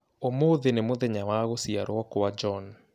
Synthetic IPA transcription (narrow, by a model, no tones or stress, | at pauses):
omoðenemoðɛɲawaɣosiaɾwɔkowad͡ʒɔn